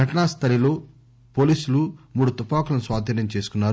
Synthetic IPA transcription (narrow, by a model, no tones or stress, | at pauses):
ɡʱɐʈɐɳast̪ʰɐɾilo̞ː | poːliːsulumuːɽut̪upaːkulɐnusʋaːd̪ʱɐnːɐmt͡ʃe̞ːsu̥kunːaːɾu